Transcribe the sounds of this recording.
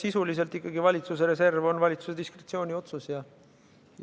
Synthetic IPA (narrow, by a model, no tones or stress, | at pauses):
sisulis̬e̞lt̪ːikːɑɡivɑlʲit̪sus̬eɾe̞s̬e̞rvo̞nvɑlʲit̪su̥se̞d̪̥iskret̪sio̞ːnʲio̞t̪susjɑ